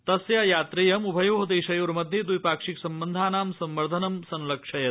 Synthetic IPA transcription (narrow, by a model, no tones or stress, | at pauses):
t̪ɐsjajaːt̪ɾejɐmubʱɐjoːɦɐd̪eːʃɐjoːɾmɐd̪ʱjed̪ujpaːkʂiksɐmbɐnd̪ʱaːnaːmsɐmʋɐɾd̪ʱɐnɐmsɐnlɐkʂɐjɐt̪